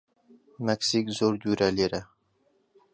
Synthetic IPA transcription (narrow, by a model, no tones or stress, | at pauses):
meksikzoɾd̪uɾaleɾɪ